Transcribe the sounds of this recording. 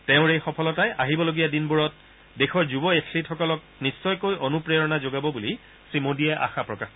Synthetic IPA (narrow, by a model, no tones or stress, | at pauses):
teʊ̃ɹejxɔpʰɔlɔtajʔaɦibɔloɡijadinbuɹɔt̚ | dexɔɹzubɔetʰlitʰxɔkɔlɔk̚ | nisːɔjkojʔonupɹeɹɔnazoɡabɔbuli | sɹimodiɛʔa̰xapɹɔkax